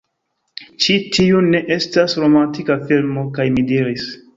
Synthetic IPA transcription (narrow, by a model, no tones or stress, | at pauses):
t͡ʃitʰiune̞ʔe̞stasɾo̞mantikafilmo̞kajmidiɾis